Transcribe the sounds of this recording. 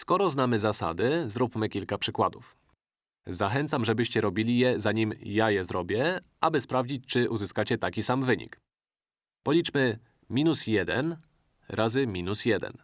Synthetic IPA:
skɔɾɔznamɘzasa̰d̪ɘzɾupmɘkʲilkapʂɘkwad̪uf | zaxɛnt̪samʐɛbɘɕt͡ɕɛɾɔbʲilʲijɛzaɲimjajɛzɾɔbʲjɛ | ʔabɘspɾavd͡ʑit͡ɕt͡ʂɘʔuzɘskat͡ɕɛt̪akʲisamvɘɲḭk | pɔlʲit͡ʂmɘ | mʲinusjɛd̪ɛ̰n | ɾʔazɘmʲinusjɛd̪ɛ̰n

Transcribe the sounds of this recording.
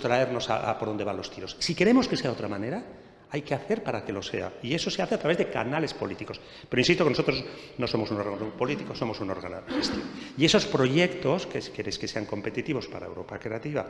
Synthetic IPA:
t̪ɾae̞ɾno̞sa̰ʔa̰poɾðo̞nd̪anlo̞st̪iɾo̞ssike̞ɾe̞mo̞ske̞se̞ao̞t̪ɾamane̞ɾa | ajke̞aθe̞ɾpaɾake̞lo̞se̞̰a̰ie̞so̞se̞aθeat̪ɾaβezðe̞ka̰nale̞spo̞lit̪iko̞s | pe̞ɾoinsist̪okenoso̞t̪ɾosz | no̞so̞mo̞suno̞ɾɣanopo̞lit̪ikoso̞mo̞suno̞ɾɣa̰noest̪iβoie̞so̞spɾo̞ʝe̞kt̪o̞skeskeβeske̞se̞aŋko̞mpe̞t̪it̪iβo̞spa̰ɾa̰ewɾo̞pakɾe̞at̪iβa̰

